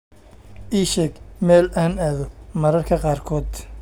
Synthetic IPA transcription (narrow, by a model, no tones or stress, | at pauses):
ʔiːʃɛɡmɛːlʔaːnaːðɔmɐɾɐrkʰɐqɑːrkʰɔːd̪